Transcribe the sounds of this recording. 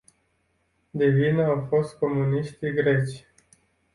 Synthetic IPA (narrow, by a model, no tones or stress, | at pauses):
d̪evinəawfo̞st̪̚ko̞muniʃt̪iɡɾe̞t͡ʃʲ